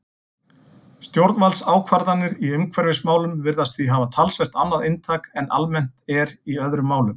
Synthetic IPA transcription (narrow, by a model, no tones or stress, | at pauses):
st̪jowɾt̪valsaːwkʰvaɾðanːɪɾiʏmkʰvɛɾvɪsmaːwlʏmvɪɾðast̪θiɦaːvat̪ʰalsvɛr̥t̪anːaðɪnt̪ʰaːkɛnːʔa̰lmɛn̥t̪ɛɾiœðɾʏmːaːwlʏm